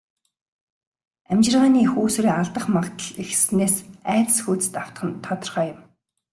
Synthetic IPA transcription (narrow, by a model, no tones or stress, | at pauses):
æmt͡ɕɪ̆rʁaːniːxuːs̆riːŋaɮt̪ə̆χmaʁt̪ə̆ɮixsneːsæːt̪̆sxuːt͡sɘ̥̆t̪aw̥t̪χə̆nt̪ʰːɔt̪ɞ̆rχœːjʊ̆m